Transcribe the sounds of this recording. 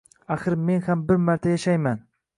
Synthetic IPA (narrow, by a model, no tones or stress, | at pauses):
axɨɾme̞nhambɪɾmaɾt̪ʰajaʃajman